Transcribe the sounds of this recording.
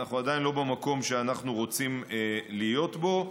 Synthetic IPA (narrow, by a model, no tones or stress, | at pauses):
aχuad̪ajinlo̞bemako̞mʃeanaχnuʁo̞t͡simlijo̞t̪bo̞